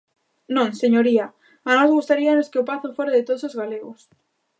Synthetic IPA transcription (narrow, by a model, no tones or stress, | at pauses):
nõŋseɲoɾia | anɔzɣust̪aɾianoskeopaθofoɾaðet̪oðosozɣaleɣos